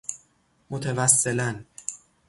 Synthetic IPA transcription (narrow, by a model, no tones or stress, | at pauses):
mot̪ʰevæsːelæn